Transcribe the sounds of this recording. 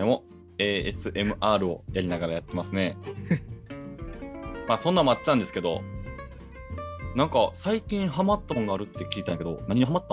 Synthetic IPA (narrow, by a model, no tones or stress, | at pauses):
emo̞ | e̞ːesɨʔe̞mɯ̟ʔaːɾɯ̟o̞̰jaɾʲinaɡaɾajat̪ːe̞masɨne̞ | maːsõnːamoat͡ɕːãnd̪e̞sɨ̥ke̞d̪o̞̰ | nãŋkasaikʲĩɰ̃ɦamat̪ːamoŋɡaːɾɯ̟t̪ːe̞kʲiːt̪ãke̞d̪o̞̰naɲ̟iɲiɦamat̪ːa